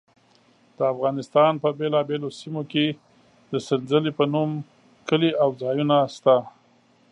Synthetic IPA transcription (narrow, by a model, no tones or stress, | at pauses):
d̪̥əafɣɑnɪst̪ɑnpəbelɑbelosimoke | d̪əsɪnzəlepənum | kəliawd͡zɑjunast̪a